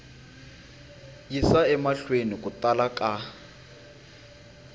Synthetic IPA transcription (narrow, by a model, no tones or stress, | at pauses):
jisaɛmaɬwenikʼutʼalakʼa